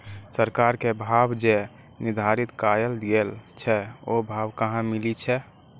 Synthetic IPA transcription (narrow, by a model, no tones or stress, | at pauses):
səɾkaɾkebʱabd͡ʒe | nid̪ʱaɾit̪kajəld̪ijelt͡ʃʰɛobʱabkaɦãmilit͡ʃʰɛ